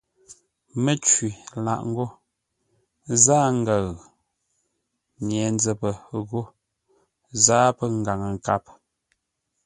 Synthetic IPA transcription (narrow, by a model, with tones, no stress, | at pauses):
me˦t͡ʃwi˨la̰˦˨ʔŋ̩˦ɡo˦ | zaː˦ŋ̩˦ɡa˨ɣ | ɲ˨ɛ˨n˦d͡zə˨pə˨ɣo˦ | zaː˦pə˦ŋ̩˨ɡa˨ŋə˨ŋ˨ka˦p̚